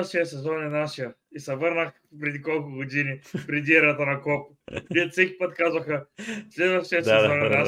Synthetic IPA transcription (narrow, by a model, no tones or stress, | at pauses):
fʃijəsɛzɔnɛnaʃijɐisɛvɤɾnəx | pɾɛd̪ikɔlˠkʊɡod̪inipɾɛd̪iɛɾət̪ənɐkɔp | viət̪sɛkʲi̥pɐt̪kazvɐxɐslɛd̪vɐfʃiəsɛzɔɛnɛna